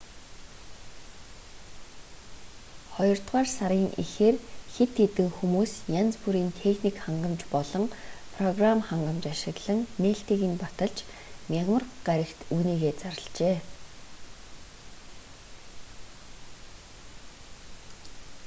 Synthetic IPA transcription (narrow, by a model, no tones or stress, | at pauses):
χɔjɞ̆r̥t̪ʁaːrsaɾiːŋʔixeːrxet̪ʰːet̪ɘ̆ŋxumuːsjant͡spuɾiːnt̪ʰexnikχaɴɢə̆mt͡ɕpɔɮɞ̆ŋpʰrɔɣramχaɴɢə̆mt͡ɕaʃɪ̆ɣɮə̆ŋneːɬt̪iːɣiːnpat̪ə̆ɮt͡ɕ | nʲaʁmə̆rɢaɾʲə̆kt̪uːniːɣeːt͡saɾə̆ɮt͡ɕeː